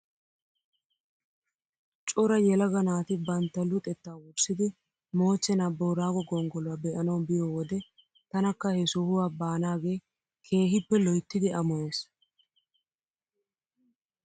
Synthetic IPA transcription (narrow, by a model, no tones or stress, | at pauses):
t͡ʃʼʊɾɐjɛlɐɡɐnaːt̪ɪbɐnt̪ːɐlːʊt̪ʼɛt̪ːaːwʊɾsɪd̪ɪ | mo̞ːt͡ʃːɛnaːboːɾaːɡɔɡɔŋɡɔlʊwabɛʔɐnɐwbɪjowɔd̪ɛ | t̪ɐnɐkːɐhɛsʊhʊwaːbaːnaːɡe̞ː | kʰe̞ːɦɪpːɛlɔjt̪ːɪd̪ɪɐmɔwes